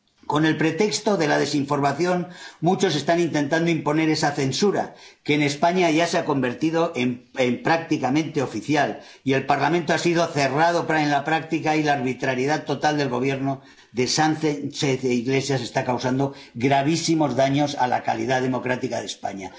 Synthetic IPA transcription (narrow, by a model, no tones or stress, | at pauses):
ko̞ne̞lpɾe̞t̪e̞kst̪o̞ðe̞laðe̞siɱfo̞ɾmaθjo̞nmut͡ʃo̞se̞st̪anint̪e̞nt̪and̪oimpo̞ne̞ɾe̞saθe̞nsuɾa̰ke̞ːne̞spaɲaʝaseako̞mbe̞ɾt̪ið̞o̞ʔemempɾak̚t̪ikamẽnt̪e̞o̞fiθjal | ie̞lpaɾlamẽnt̪o̞asið̞o̞θe̞rað̞o̞pɾaenlapɾak̚t̪ikailaːɾβit̪ɾaɾjeð̞at̪o̞t̪ald̪e̞lɣo̞β̞je̞ɾno | ðe̞sanθeseθiɣle̞sjase̞st̪akawsand̪o̞ɣɾaβ̞isimo̞zðaɲo̞sa̰la̰ka̰lḭð̞aðe̞mo̞kɾat̪ikaðespa̰ɲa